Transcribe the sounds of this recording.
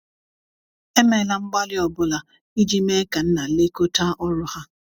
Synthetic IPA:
e˦me˨la˨ŋ͡m̩˦ɡ͡ba˦lɪ˦ɔ˨bʊ˦la˨ | i˦d͡ʒi˦me˦ka˨n̩˦na˨le˦ko˦ta˦ʔɔ˦ɾʊ˦ha˦

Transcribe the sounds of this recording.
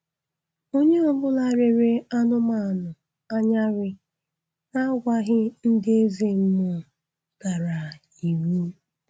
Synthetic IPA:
o˦ɲe˦ɔ˦bʊ˦la˨ɾe˨ɾe˦a˦nʊ˦ma˦˨nʊ˨ | a˦ɲa˦ɾɪ˦ | na˦ɡʷa˦ɦɪ˦n̩˦dɪ˦e˦ze˦m̩˦mʊ˦˨ | ɡ̥a˨ɾa˨ | i˨mi˦

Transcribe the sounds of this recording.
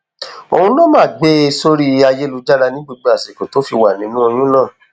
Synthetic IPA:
o˨hũ˧lo˦mãː˦˨ɡ͡be˧˦˧so˦ɾi˦a˧je˦lu˧d͡ʒa˦ɾa˧nĩ˦ɡ͡bo˧ɡ͡bo˧a˨se˨ko˨to˨˦fi˧wa˨nĩ˨˦nũ˦o˧j̃ũ˦nãː˦˨

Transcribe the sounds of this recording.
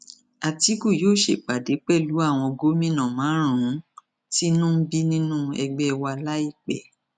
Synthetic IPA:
a˨ti˨˦ɡu˦˨joː˦˨ʃe˨k͡pa˨de˨˦k͡pɛ˦˨lu˨˦a˦˨w̃ɔ̃˧ɡo˦mĩ˦˨nã˨mãː˨˦ɾ̃ã˨ũ˨˦ | ti˦nũ˦bi˦nĩ˦nũ˦ɛ˧ɡ͡bɛ˦˧wa˧la˦i˦˨k͡pɛ˨

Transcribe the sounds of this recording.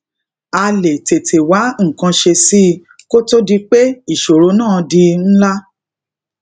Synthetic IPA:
a˧le˨te˨tʰe˨wa˨˦ŋ̩˨kã˧ʃe˧si˦˧ | ko˦to˦di˧k͡pe˦i˦˨ʃo˨ɾo˨˦nãː˦˨di˧n̩˦la˦

